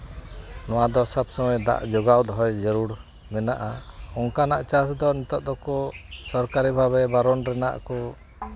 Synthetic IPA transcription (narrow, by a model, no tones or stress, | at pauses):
nɔwad̪ɔsabsɔwɔjd̪a̰ʔd͡ʒɔɡawd̪ɦɔjd͡ʒəɾuɽ | mɛnaʔaɔŋkanaʔt͡ʃasd̪ɔnit̪ɔʔ̚d̪ɔkɔsɔɾkaɾibʱaβɛbaɾɔnɾɛna̰ʔkɔ